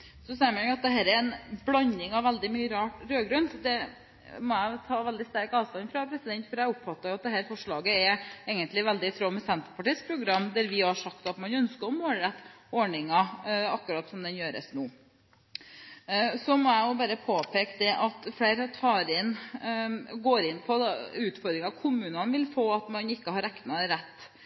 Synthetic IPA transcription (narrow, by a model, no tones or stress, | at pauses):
sɔsɛːmɛɑt̪̚d̪ɛɦæːɾɛɾɛnblɑɲɪŋɑʋʋæld̪ɪmyːəɾɑːʈɾøːɡɾœnd̪ɛ | mɔæɪt̪ʰɑːʋɛld̪ɪst̪æɾkɑːʋst̪ɑnfɾɑpʰɾɛsɪd̪ɛnt̪fɔɾæɪʊpfɑt̪ːɑjʊɑt̪̚d̪ɛɦæːɾfɔʂɭɑːɡəɛeːɡənt̪lɪʋæld̪ɪt̪ʰɾoːmɛsɛnt̪əɾpʰɑʈiːspʰɾʊɡɾɑmːd̪æɾʋɪhɑʂɑkt̪ɑt̪mɑnœnskəɾɔmoːlɾɛt̪ːɔɳɪŋɑɑkːɾɑːt̪sɔmd̪ɛnjøːɾə̰snuː | sɔmɔæɪjʊbɑɾəpʰoːpʰeːkd̪ɛʔɑt̪fleɪɾt̪ʰɑːɾɪnː | ɡoːɾɪnːpʰɔd̪ʉːt̪fɔɾd̪ɾɪŋɑkʰʊmʉːnɑnʋɪlfoːɑt̪mɑnɪkːəhɑɾæknɑɾɛt̪ː